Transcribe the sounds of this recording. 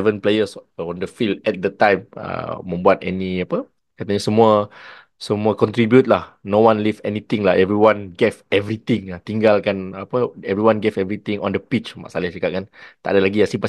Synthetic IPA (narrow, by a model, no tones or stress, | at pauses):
ɛvə̃nplejəsɔ̃ndəfildɛt̪̚dət̪ãjmə̰ːə̃mbuat̪ɛ̰niapə | kat̪aɲasəmũə | səmũəkɔ̃nt̪ɾibjut̪̚lahnowãnlivɛnit̪ĩŋlaɦɛvɾiwãnɡevɛvɾit̪ĩŋat̪iŋɡalkanapəɛvɾiwãnɡevɛvɾit̪ĩŋɔ̰̃ndəpit͡ʃma̰ʔsalɪhsikaʔ̚kant̪aʔadalaɡiasipa